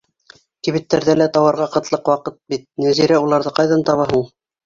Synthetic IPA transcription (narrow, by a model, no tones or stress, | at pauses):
kiβɘ̆t̪ːæɾðælæt̪ɑwɑɾʁɑqɤ̆t̪lˠɤqwɑqɤt̪̚bit̪̚næziɾæulˠɑɾðɤqɑjðɑnt̪ɑβɑɦuɴ